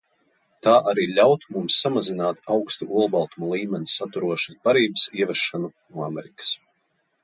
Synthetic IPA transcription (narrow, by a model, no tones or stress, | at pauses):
t̪aːʔaɾiːlʲawt̪umumsːamazinaːt̪awkst̪uʔuɔlˠbalˠt̪umɔlˠiːmʲɛnʲisat̪uɾuɔʃḁsbaɾiːbəsiɛvɛʃːanunuamɛɾikḁs